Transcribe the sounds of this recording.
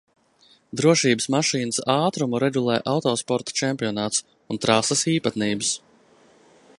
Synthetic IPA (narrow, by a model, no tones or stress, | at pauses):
d̪ɾuɔʃiːbɨsmaʃiːnəsaːt̪ɾumuɾɛɡulˠɛ̰ːʔawt̪ɔːspɔɾt̪ḁt͡ʃɛmʲpʲiɔnaːt̪s | unt̪ɾasɐsiːpat̪niːbɨs